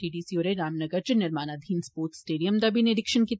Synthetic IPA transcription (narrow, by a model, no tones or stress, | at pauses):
ʈiːɖiːsioːɾeɾaːmnɐɡəɾd͡ʒʊnɪɾmaːnad̪ʱiːnspoːɾʈ̪sʈeːɖijəmd̪ɐbineɖɪkʃənki